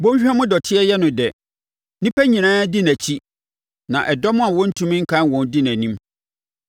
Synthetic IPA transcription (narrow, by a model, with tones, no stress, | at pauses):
bõ˦ɕᶣɛ˦mʊ̃˦dɔ˨tʰɪ˦ɛ˦jɛ˦nʊ̃˨dɛ˨ | nĩ˦pʰæ˦ɲĩ˨nãː˦dɪ˦næ̃˨t͡ɕʰi˦ | nã˨ʔɛ˨dɔ˦mʊ̃˦a˨wɔ˦n̩˦tʰũ˦m̃˦ŋ̩˦kʰã˦n˨wɔ̃˨n˦dɪ˦næ̃˨nĩ˦m